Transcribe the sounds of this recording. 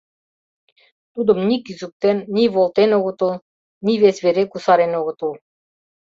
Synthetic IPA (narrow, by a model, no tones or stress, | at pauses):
t̪ud̪ə̆mnʲikizuk̚t̪enːʲiβolˠt̪enoɣə̆t̪ulˠ | nʲiβesβeɾekusɑɾenoɣə̆t̪ulˠ